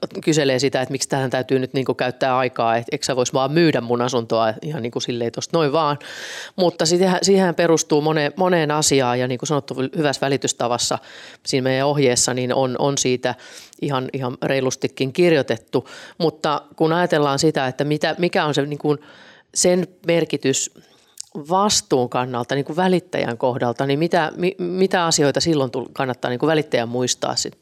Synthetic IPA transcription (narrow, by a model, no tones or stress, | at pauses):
kyseleːsit̪æet̪mikst̪ælhænt̪æyt̪yːnyt̪niːŋkukæyt̪ːæːɑikɑːet̪eksæʋoisʋɑːmmyːdæmmunɑsunt̪oɑijɑniːŋkusilːeit̪ost̪noiʋʋɑːnmut̪ːɑsit̪hæsiːhæmperust̪uːmonemoneːnɑsiɑːjɑniːŋkusɑnot̪ːuhyʋæsʋælit̪yst̪ɑʋɑsːɑ̰siːnmeijæohjeːsːɑnino̰nʔo̰nsiːt̪æihɑnihɑnreilust̪ikːiŋkirjot̪et̪ːumut̪ːɑkunɑjɑt̪elːɑːnsit̪æet̪ːæmit̪æmikæonseniːŋkun | senmerkit̪ys | ʋɑst̪uːŋkɑnːɑlt̪ɑniːŋkuʋʋælit̪ːæ̰jæ̰ŋkohdɑlt̪ɑnimmit̪æmimit̪æɑsioit̪ɑsilːont̪ulkɑnːɑt̪ːɑ̰ːniːŋkuʋælit̪ːæjæmmuist̪ɑ̰ːssit̪ː